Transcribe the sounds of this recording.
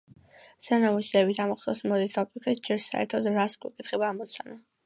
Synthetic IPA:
sanamuszɛːbit̪ʰamɔχt̪ɔ̰smɔd̪it̪ʰɔpʼikʰʼɾid͡ʒɛɾsa̰ɛ̰ɾt̪ʰɔd̪ɾaskʼwḭkʼit̪ʰχɛbaːmɔt̪sʰana

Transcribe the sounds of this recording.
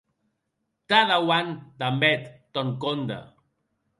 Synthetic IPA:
t̪aðawand̪ambɛt̪ːɔŋkond̪a̰

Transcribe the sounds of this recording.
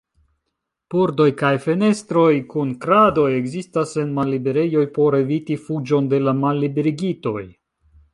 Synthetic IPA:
puɾdo̞jkajfe̞ne̞stɾo̞jkunkɾado̞je̞ɡzistase̞nmalːibe̞ɾe̞jo̞jpo̞ɾe̞vitifud͡ʒo̞nde̞lamalːibeɾiɡito̞̰j

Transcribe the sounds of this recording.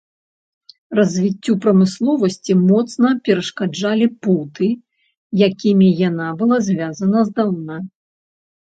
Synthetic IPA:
rɐzʲvʲit͡sʲːupɾɐmɨslˠɔvɐsʲt͡sʲimɔt̪snɐpʲɛɾɐʂkad͡ʐalʲiput̪ɨ | jakʲimʲijanabɨlˠazʲvʲazɐnɐzd̪awna

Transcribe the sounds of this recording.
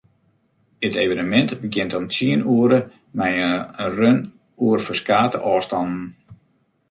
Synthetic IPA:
ətejvənəmɛntbəɡɪntɔmtʰiənuəɾə | mɛjərøn | uərfəskaːtəʔɔːstɑndn̩

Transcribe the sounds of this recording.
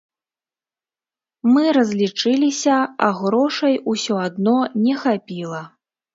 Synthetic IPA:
mɨɾɐzʲlʲit͡ʂɨlʲisʲɐa̰ɣɾɔʂɐjusʲɔad̪nɔnʲɛxapʲilˠɐ

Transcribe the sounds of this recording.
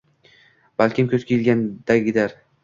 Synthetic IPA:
b̥alkʲɪmkʲʰɵz̥kʲʰejɪlɡʲand̪̥aɡʲɪd̪aɾ

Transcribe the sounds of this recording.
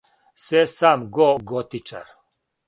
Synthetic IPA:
sɛsamɡɔɡɔt̪ʰʼit͡ʃʰʼa̰ɾ

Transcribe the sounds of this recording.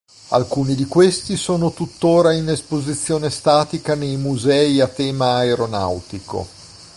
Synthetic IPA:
a̰lkuːnid̪ikwest̪isoːnot̪ut̪ːoːɾainespozit̪sːjoːnest̪aːt̪ikanejmuzɛːiat̪ːɛːmaːeɾona̰wt̪iko̰

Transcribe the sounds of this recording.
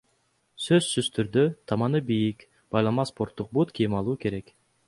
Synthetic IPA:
søzsyz̥t̪ʰyɾd̪øt̪ʰɑmɑnɯbijik | b̥ɑjlˠɑmɑspo̞ɾt̪ːuq̚but̪kijimɑlˠuːke̞ɾe̞k

